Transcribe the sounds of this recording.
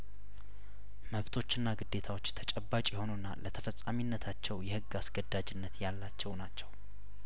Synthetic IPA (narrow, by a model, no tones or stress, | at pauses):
məβt̪ʰo̞t͡ʃːɨnːaɡɨd̪ːe̞t̪ʰawo̞t͡ʃːt̪ʰət͡ʃʼɛbːat͡ʃʼjɛho̞nonːa̰lət̪ʰəfəsʼaminːət̪ʰat͡ʃːɛwjɛhɨɡːasɡəd̪ad͡ʒɪnːət̪jalːat͡ʃːɛwnat͡ʃːɛw